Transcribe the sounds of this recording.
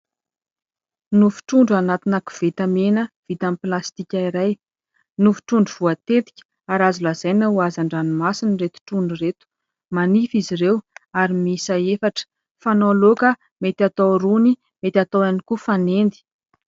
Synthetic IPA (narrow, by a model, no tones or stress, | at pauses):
nufu̥ʈ͡ʂuɳɖ͡ʐanat̪inaku̥v̥et̪amenəv̥it̪amiplast̪ikʲaiɾaj | nufi̥ʈ͡ʂuɳɖ͡ʐuv̥uat̪et̪i̥kʲə̥ | aɾazulaz̥ajnauazaɳɖ͡ʐanimasiniret̪u̥ʈ͡ʂuɳɖ͡ʐuret̪u̥ | manifiziɾewaɾimisaefaʈ͡ʂə̥ | fanolokə | met̪at̪awɾuni | met̪ʲat̪owanikufanend̪i̥